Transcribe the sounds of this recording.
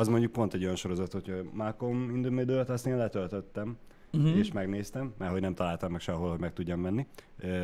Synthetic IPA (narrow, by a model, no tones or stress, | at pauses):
ɒzmo̞ɲɟuk̚po̞nt̪ɛɟːo̞jɒnʃo̞ɾo̞zɒt̪hothɒmakːomind̪umed̪ølt̪ɒst̪eːnlɛt̪ølt̪øt̪ːɛm | eːʃmɛɡneːst̪ɛmːɛrɦo̞ɟnɛmt̪ɒlaːlt̪ɒmːɛkʃɛɒɦo̞lɦoɟmɛk̚t̪uɟːɒmmɛnːi